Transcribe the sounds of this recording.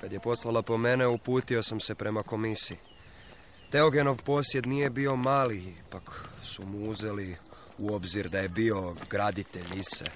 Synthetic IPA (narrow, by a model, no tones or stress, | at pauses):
kad̪je̞po̞slˠalˠapo̞me̞ne̞upuːt̪io̞samse̞pɾe̞mako̞misii | t̪e̞oɡe̞no̞ʋpo̞sje̞d̪nije̞bio̞maːlipaksumuuze̞liuo̞bziɾd̪aje̞bio̞ɡɾad̪it̪eʎisḛ